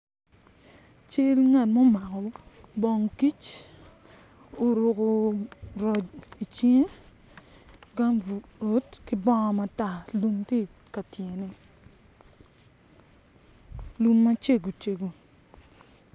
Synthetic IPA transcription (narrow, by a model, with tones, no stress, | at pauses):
t͡ʃe˦ɾi˦ŋa˨t̚mo˦ma˨kɔ˨˦bɔ˨ŋki˦t͡ʃ | o˨ɾo˨ko˨ɾɔ˨d͡ʒi˨t͡ʃi˦ŋ˦ | ɡa˦mɾo˨˦tkɪ˦bɔ˦ŋɔ˨ma˨˦ta˨lu˦mti˦˨ka˨tje˨ne˨ | lu˦mːa˦t͡ʃe˦ɡo˨t͡ʃe˨ɡo˨